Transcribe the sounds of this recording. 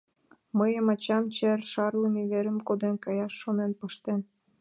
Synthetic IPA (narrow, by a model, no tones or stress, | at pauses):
məjəmɑt͡ɕɑmt͡ɕerʃɑrləmiβeɾəmkod̪enkɑjɑʃːonenpəʃt̪en